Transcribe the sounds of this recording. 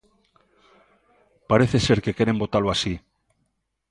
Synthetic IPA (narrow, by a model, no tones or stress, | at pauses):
paɾe̞θe̞se̞ɾke̞ke̞ɾe̞mbo̞t̪aloasi